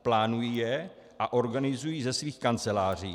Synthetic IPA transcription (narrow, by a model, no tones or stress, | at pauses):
plaːnujiːjɛ | ʔaʔo̞ɾɡanɪzujiːzɛsviːxkant͡sɛlaːr̝iː